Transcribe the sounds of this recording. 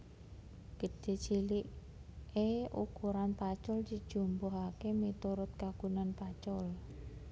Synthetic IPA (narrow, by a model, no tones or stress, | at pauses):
ɡ̥əd̥e̤t͡ʃiliʔ | eṵkuɾanpat͡ʃʊlt͡ʃid̥ʒ̥ṳmbɔɦakemit̪uɾʊt̪̚kakunanpat͡ʃɔl